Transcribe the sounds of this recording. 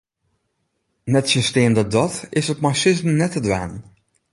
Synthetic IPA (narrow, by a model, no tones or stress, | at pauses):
nɛtsistɪəndədɔtɪsətmasɪzmənɛtədʋa̰ːn